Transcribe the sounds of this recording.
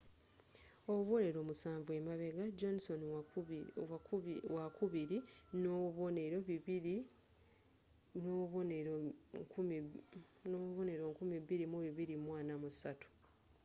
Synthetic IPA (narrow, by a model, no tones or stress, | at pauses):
oβuβo̞ne̞ɾo̞ːmusaːɱvue̞maβe̞ɡad͡ʒonso̞n | wakuβiɾinoβoneɾo̞βiii | noβoneo | noβone̞ɾo̞ŋkumiβiɾimuβiβiɾimwaːnamusatu̥